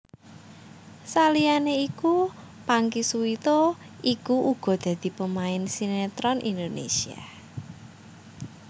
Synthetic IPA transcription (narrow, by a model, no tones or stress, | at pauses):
salianeiku | paŋkisuit̪o | ʔikuʔuɡ̥ɔ̤d̪̥ä̤d̪̥i̤pəmaɪnsinet̪ɾɔnʔḭnd̪onḛsia̰